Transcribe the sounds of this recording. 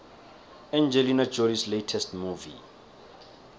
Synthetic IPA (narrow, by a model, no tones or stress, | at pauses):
ãnd͡ʒɛlinad͡ʒɔlisletʰɛstmuvḭ